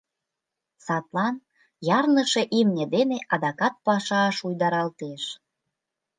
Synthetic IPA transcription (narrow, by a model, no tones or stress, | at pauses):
sɑt̪lɑn | jɑrnəʃeʔimnʲed̪eneʔɑd̪ɑkɑt̪̚pɑʃɑːʃujd̪ɑɾɑlt̪eʃ